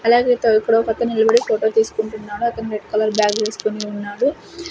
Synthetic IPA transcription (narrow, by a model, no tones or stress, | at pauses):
ɐlaːɡet̪eikːɐɽɐokɐt̪ːɐnilɐbɐɽifoːʈo̞ːt̪iːsu̥kuɳʈunːaːɾuɐk̪ːɐniɾeɖ̚kɐlɐɾbjaːɡʋeːsu̥koniunːaːɾu